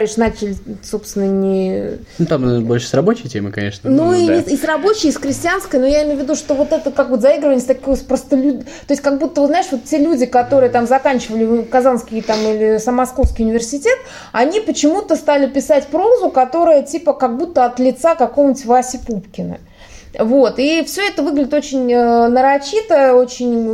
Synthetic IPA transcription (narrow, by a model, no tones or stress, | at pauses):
ɾʲiʂnat͡ɕɪlʲɪso̞pst̪vʲɪnːənʲɪ | nut̪ambolʲʂɨ̥sɾɐbo̞t͡ɕɪjtʲeməkɐnʲḛʂnənuiɪisrɐbo̞t͡ɕɪjsxɾʲɪsʲtʲɪanskəjnujaɪmʲejʊvʲɪd̪uʂt̪o̞vo̞t̪ɛt̪əkakvot̪zɐiɡɾəvənʲɪsʲt̪ɐkojspɾəst̪əlʲudʲt̪oɪsʲkaɡbut̪ːəbəznaɪʂvo̞t̪ːʲelʲudʲɪkɐt̪o̞ɾɨjət̪amzɐkanʲt͡ɕɪvəlʲɪkɐzanskʲɪjt̪amilʲɪsəmːɐsko̞fskʲijʊnʲɪvʲɪrsʲɪtʲe̞t̪ | ɐnʲipət͡ɕɪmut̪əst̪alʲɪpʲɪsatʲpɾo̞zʊkɐt̪o̞ɾəjətʲipəkɐɡ̚but̪ːəɐt̪lʲɪt̪sakɐkovənʲɪtʲvasʲɪpupkʲɪnə̰ | vo̞t̪ifsʲɵɛt̪əvɨɡlʲɪdʲɪt̪o̞t͡ɕɪnʲənəɾɐt͡ɕːit̪əot͡ɕɪnʲ